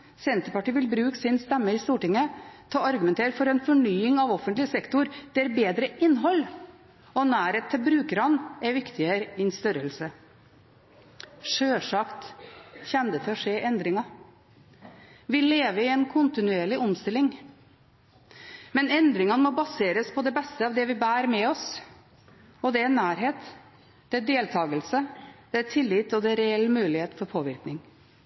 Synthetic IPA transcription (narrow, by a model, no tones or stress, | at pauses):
sɛnt̪əɾpɑʈiːʋɪlbɾʉːksɪnst̪ɛmːəɪst̪uːʈɪŋːət̪ʰɑːɑɾɡʉmɛnt̪ʰeːɾfɔɾɛnfɔɳyːɪŋɑʋɔfənt̪lɪəsɛkt̪ʊɾd̪̥ɛæɾbeːd̪ɾəʔɪnːɦɔlː | ɔnæːɾeːt̪ʰːəbɾʉːkəɾɑnɛɾʋɪkt̪ɪəɾɪnst̪œɾəlsə | ʂøːʂɑkt̪çɛnd̪ət̪ʰɛɔʂeːʔɛnd̪ɾɪŋɑ | ʋɪleːʋəɪɛnkʰʊnt̪ɪnʉeːɭɪʔɔmst̪ɪlːɪŋ | mɛnɛnd̪ɾɪŋɑnmɔbɑseːɾəspʰɔd̪ɛbɛst̪əɑːʋd̪ɛʋɪbæːɾmɛɔs | ɔd̪ɛænːæːɾɦeːt̪ | d̪̥ɛæd̪eːlt̪ʰɑːɡəlsəd̪̥ɛæt̪ʰɪlːɪt̪ɔd̪ɛɾɛɛlːmʉːlɪheːt̪fɔɾpʰoːʋɪɾknɪŋ